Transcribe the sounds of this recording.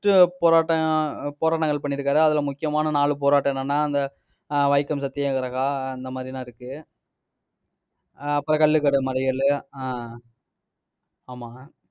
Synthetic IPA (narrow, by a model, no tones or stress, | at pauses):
ʈɯpoːɾaːʈːɐpoːɾaːʈ̬ːɐŋɡɐɭpɐɳːɪɾɯkːaːɾɯɐðɪlɐmʊkːɪjɐmaːnɐnaːɭɯp̬oːɾaːʈːɐ̃ɛnːɐnːaːɐnd̪ɐ | ʋɐɪkːɐmsɐt̪ːɪjɐ̃ːkɐɾɐɣaːɐnd̪ɐmaːd̪ɾinãːɪɾɯkːɯ | ɐpːɐɾɐkɐɭːɯkːɐɽɯmɐlɐɪɣɐɭ | aːmaː